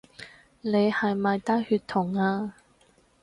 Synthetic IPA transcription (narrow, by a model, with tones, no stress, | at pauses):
le˨˧jhɐ˨jmaː˨jt̪aː˥jhyː˧t̪ʰʊ˨˩ŋaː˧